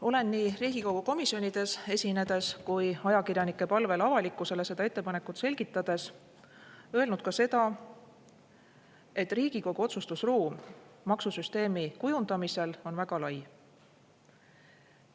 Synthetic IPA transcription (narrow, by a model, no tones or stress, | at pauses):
o̞le̞nːiːriːɡ̥iko̞ɡ̥uko̞misio̞nid̪̥e̞se̞sʲine̞d̪̥e̞skujɑjɑkirjɑnikˑːe̞pɑlve̞lɑvɑlikːˑuse̞le̞se̞d̪̥ɑe̞t̪ːe̞pɑne̞kːˑut̪se̞lʲɡ̥it̪ːˑɑd̪̥e̞s | ø̞elnud̪̥̚kɑse̞d̪̥ɑ | e̞t̪ːˑriːɡ̥iko̞ɡ̥uo̞t̪sust̪usruːmmɑksusyst̪e̞ːmikujund̪ɑmise̞lo̞nvæɡ̥ɑlɑj